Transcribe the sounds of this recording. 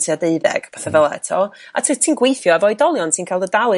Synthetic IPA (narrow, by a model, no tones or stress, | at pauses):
tʰiadeɨðɛ̰ɡ̥pʰaθavəlˠɛ̰tʰɔa̰tʰətʰiːnɡwejθjɔavɔɨdɔlˠjɔntʰiːnkʰajlˠdədalˠɨ